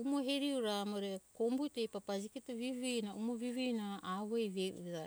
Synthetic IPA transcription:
umoɦeɾiuɾamoɾekombutejpapad͡ʒikitaβivinaumoβivijnaaβoejβejṵiða

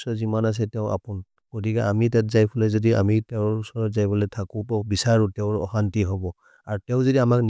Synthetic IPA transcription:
sɔzimanas̬ɛtɛʊʔa̰pun | ɡ̥ot̬ikɛʔamitat̚zajpʰulɛzɔdia̰mitɛʊɹusɔɹɔtzajbɔlɛtʰakɔpabisaɹutɛʊɹɔ̰xantiɦɔbɔ | aɹtɛʊ̃zɔdiamakn

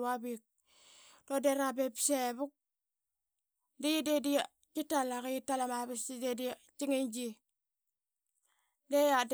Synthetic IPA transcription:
abik̚ | dodeɾabepseβuk̚ | dejidedi | kitalakiitalamaβisidedi | t͡ʃiŋend͡ʒi | dejad

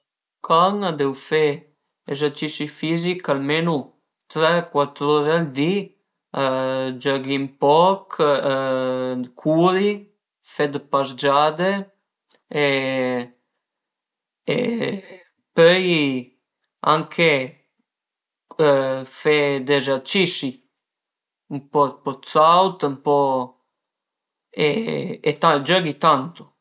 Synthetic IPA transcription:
kʰaŋad̪ɛwfe | ezat͡ʃiʃifizikalmenu | t̪ɾɛkwat̪ɾoɾeald̪i | d͡ʒaɡimpɔk | kʰuɾi | fɛd̪pazd͡ʒad̪e | e | ḛ | pœj | aŋkʰe | fed̪ezɛɾt͡ʃiʃi | mpɔt̪pɔt̪sawt̪əmpɔ | ḛet̪ad͡ʒɔɡit̪ant̪o̥

